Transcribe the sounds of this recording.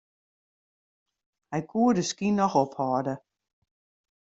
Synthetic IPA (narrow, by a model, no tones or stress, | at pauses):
hɛjkʰuədəskinɔxɔphɔːdə